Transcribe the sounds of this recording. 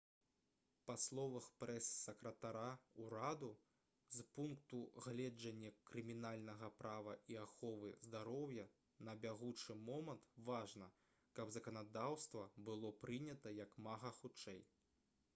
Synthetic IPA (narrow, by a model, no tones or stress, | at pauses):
paslˠɔvɐxpɾɛsːɐkɾɐt̪aɾauɾad̪u | zpunkt̪uɣlʲɛd͡ʐɐnʲːɐkɾɨmʲinalʲnɐɣɐpɾavɐʔiaxɔvɨzd̪aɾɔwjɐ | nɐbʲaɣut͡ʂɨmɔmɐnt̪vaʐnɐ | kɐbzɐkɐnad̪awst̪vɐbɨlˠɔpɾɨnʲɐt̪ɐjɐkmaɣɐxut͡ʂɛj